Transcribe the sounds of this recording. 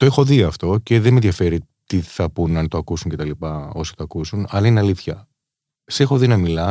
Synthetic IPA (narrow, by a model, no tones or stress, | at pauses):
t̪oe̞xo̞ðiɐft̪o̞ce̞ðenmenðjɐfe̞ɾi | t̪iθɐpunɐnt̪oɐkusuɲcet̪ɐlipɐo̞si̥t̪oɐkusunɐlɐineɐliθçɐ | se̞xo̞ðinɐmilɐ